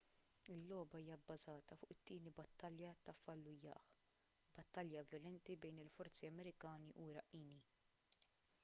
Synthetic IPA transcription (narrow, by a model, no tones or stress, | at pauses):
ɪlːɔːbɐiːjɐbːɐzɐːt̪ɐfʊːʔɪt̪ːiːnibɐt̪ːɐljɐt̪ɐfːɐlːʊjɐ̰ːħ | b̥ɐt̪ːɐljɐvjɔlɛnt̪ibɛjnɪlfɔɾt͡siɐmɛɾɪkɐːniʔuɾɐʔːiːni